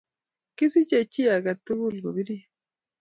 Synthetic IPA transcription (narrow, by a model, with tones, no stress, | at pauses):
ki˦si˦ce˨ci˦a˨ɡa˨tu˦βu˦lɡo˨βi˦ɾi˦